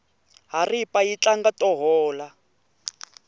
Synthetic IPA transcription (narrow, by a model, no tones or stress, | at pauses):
ɦaripajit͡ɬaŋɡatʼɔɦɔːla